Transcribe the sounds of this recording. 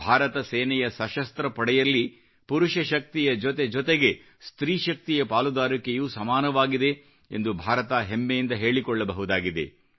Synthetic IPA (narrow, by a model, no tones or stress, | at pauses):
bʱaːɾɐt̪ɐsɛːnɛjɐsɐʃɐst̪ɾɐpɐɽɛjɐlːi | puɾuʃɐʃɐk̚t̪ijɐd͡ʒɔt̪e̞d͡ʒɔt̪eɡe̞ | st̪ɾiːʃɐk̚t̪ijɐpaːlud̪aːɾikejuːsɐmaːnɐʋaːɡid̪e̞ | ḛnd̪ubʱaːɾɐt̪aːɦemːɛjind̪ɐɦe̞ːɭikɔɭːɐbɐɦud̪aːɡid̪e̞̰